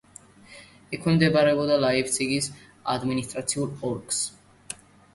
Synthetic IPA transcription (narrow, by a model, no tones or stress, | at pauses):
ɛkʰwɛmd̪ɛbaɾɛbɔd̪alaipt̪sʰiɡis | a̰d̪minist̪ʼɾat̪sʰiuɾpʰʼɔɾkʰʼs